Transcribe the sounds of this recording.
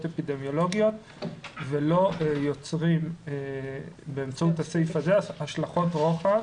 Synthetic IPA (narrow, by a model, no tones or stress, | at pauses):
tepid̪emjo̞lo̞ɡijo̞t | velo̞jo̞t͡sʁim | beːmt͡sautasejfazeaʃlaχo̞tʁoχa